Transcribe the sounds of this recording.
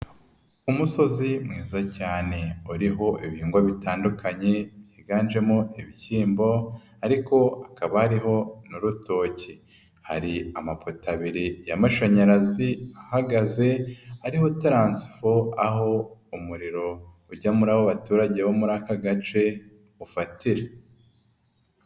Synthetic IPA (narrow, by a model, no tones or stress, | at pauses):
umuso̞zimŋiːzacaːne̞uɾiɦo̞ʔiβiiːŋɡwaβitaːndukʰaɲe̞β̥jiːɡaːnʒe̞moiβihiːmbo̞ | aɾiko̞akaβahaɾiɦo̞nuɾuto̞ːci | haɾiamapʰotaβiɾijamaʃaɲaɾaziahaɡaze̞aɾihotɾaːnsi̥foaɦo̞umuɾiɾo̞ | uɾɟamuɾawoβatuːɾaɟe̞βomuɾaːkaɡat͡ʃe̞ | ufatiɾe